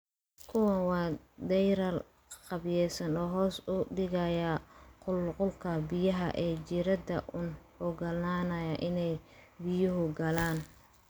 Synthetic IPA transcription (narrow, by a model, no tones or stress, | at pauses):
kʰʊwɐwɑːd̪ɛjɾɐl | qɑbjɛːsɐnɔːɦɔːsʊɖɪɣɐjɐqʊlqʊlkʰɐbɪjɐɦɐ̰ʔɛːt͡ʃɪɾɐd̪ɐʔʊn | ɔɡɐlnaːnɐjɐʔɪnɛjbɪjʊɦʊɡɐlaːn